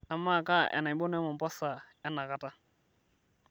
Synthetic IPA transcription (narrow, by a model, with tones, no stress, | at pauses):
a˨mːa˦˨ka˦ʔɛ̰˨na˨ɪ˨˦bo˦n˦ɛ˦mɔ˨pɔ˦sa˨ | ɛ˦na˨ka˨ta˦